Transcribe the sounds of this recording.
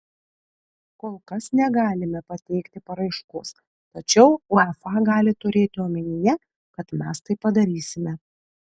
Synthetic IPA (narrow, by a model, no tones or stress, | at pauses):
koːlˠkɐsnʲɛɡɑːlʲɪmʲɛpɐt̪ʲɛɪkt̪ʲɪpɐɾɐɪʃkʊs | t̪ɐt͡ʃʲɛʊʊɛfɑːɡɑːlʲɪt̪ʊɾʲeːt̪ʲɪoːmʲɛnʲɪjɛ | kɐt̪mʲæst̪ɐɪpːɐd̪ɐɾʲiːsʲɪmʲɛ